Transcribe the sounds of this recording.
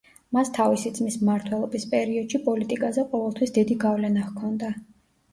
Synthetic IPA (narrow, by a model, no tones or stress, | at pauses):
mast̪ʰavisit̪sʼmismaɾt̪ʰwɛlˠɔbispʼɛɾiɔd̪̥ʃipʼɔlit̪ʼikʼazɛqʼɔvɛlˠt̪ʰwisd̪id̪iɡavlɛnaʁkʰɔnd̪a